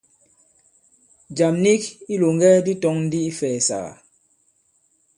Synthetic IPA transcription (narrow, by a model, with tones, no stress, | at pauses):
d͡ʒa˨mni˦ki˦lo˨ŋ˦ɡɛ˦di˦tɔ˦ŋn̩˦di˦i˦fɛː˨sa̰˨ɣa̰˨